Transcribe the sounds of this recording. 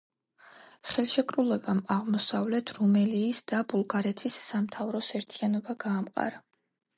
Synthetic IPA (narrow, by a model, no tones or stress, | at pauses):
χɛlˠʃɛkʼɾulˠɛbamaʁmɔsavlɛt̪ʰɾumɛliːsd̪abulˠɡaɾɛt̪ʰisːamt̪ʰavɾɔsɛɾt̪ʰianɔbaɡ̥aːmqʼa̰ɾa